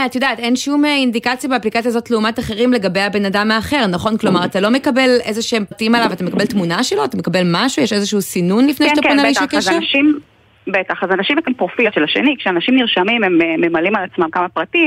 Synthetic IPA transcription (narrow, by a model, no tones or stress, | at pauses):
atjodaːtenʃumeind̪ikat͡sjabeaplikat͡sjazo̞tleumataχe̞ʁimle̞ɡabejabe̞nadamaːχe̞ʁnaχo̞nklo̞maʁat̪alo̞me̞kabe̞le̞zeʃeempʁatimalavat̪ame̞kabeltmunaʃeloat̪amekabelmaʃujeʃezeʃuusinunlifnejataonaiʃakeʃeʃim | betaχazanaʃimakampʁofiʃelaʃḛnikʃeanaʃimniʁʃamimemeːemalimalat͡smamkamapʁatim